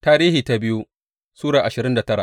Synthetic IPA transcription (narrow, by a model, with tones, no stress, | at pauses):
taː˦ɾiː˦hiː˨ta˦bɪ˦ju˦ | suː˦ɽaː˨ʔa˨ʃɪ˨ɾɪ˦nda˨tɐ˦ɽa̰˨ʔ